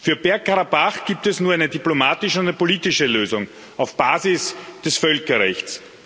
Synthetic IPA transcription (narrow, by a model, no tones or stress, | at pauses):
fyːɐb̥ɛɐkʰːaʁabaχɡ̥iːp̚tɛsnuːɐaɪnədiplomaːtɪʃʊnænəpoliːtɪʃəløːzʊŋ | aʊfb̥aːzɪsd̥ɛsfœlkɐʁɛçts